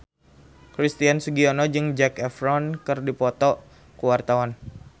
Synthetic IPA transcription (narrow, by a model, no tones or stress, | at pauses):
kɾist̪iansuɡiɔnɔd͡ʒɨŋd͡ʒɛkɛfɾɔnkɨrdipɔt̪ɔ | kuwart̪awan